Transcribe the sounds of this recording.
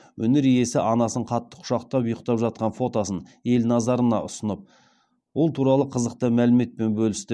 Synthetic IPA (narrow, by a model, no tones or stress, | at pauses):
wɵnɪɾije̞sɪʔɑnɑsəɴqʰɑt̪ːə̥qʰʊ̥ʃɑqt̪ɑbʊjəqt̪ɑpʒɑt̪̚qɑnfo̞t̪osəne̞lnɑzɑɾənɑʔʊsənəp̚ | wo̞lˠt̪ʰuɾɑlˠəqʰəzəq̚t̪əmælɪme̞t̪̚pe̞nbɵlɪst̪ɪ